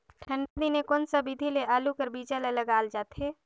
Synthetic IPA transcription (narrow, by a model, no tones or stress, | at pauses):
ʈʰə̃ɳɖad̪inekoːnsəbid̪ʱileʔaːlukəɾbiːt͡ʃəleləɡaːld͡ʒaːt̪ɦeː